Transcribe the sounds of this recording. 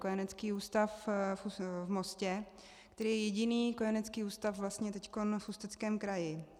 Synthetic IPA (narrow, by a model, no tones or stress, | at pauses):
kojanɛt͡skiːuːst̪afuvmoscɛ | kt̪ɛɾiːjɛjɛɟɪniːkojanɛt͡skiːuːst̪afvlast̪ɲɛt̪ɛcko̞nfust̪ɛt͡skɛːmkɾajɪ